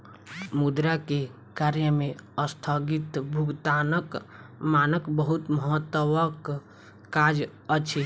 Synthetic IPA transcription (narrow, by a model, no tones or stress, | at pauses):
mud̪ɾake | kaɾjəmeəst̪ʰəɡit̪bʱuɡt̪anəkmanəkbəɦut̪məɦət̪ːəwəkː | ad͡ʒ | ət͡ʃʰi